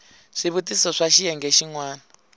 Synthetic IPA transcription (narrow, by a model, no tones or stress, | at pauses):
ʂiβutisɔʂaʃijɛŋɡɛʃiŋwaːna